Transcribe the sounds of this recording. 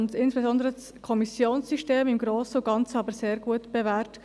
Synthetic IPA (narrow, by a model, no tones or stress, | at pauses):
ntɪnsb̥ezɔnd̪əɾət͡s | kʰɔmisjoːnssyʃteːmɪmɡɾoːsəʊɡ̥ɑnt͡səɑbəɾseːɾɡ̥uətb̥evɛːɾt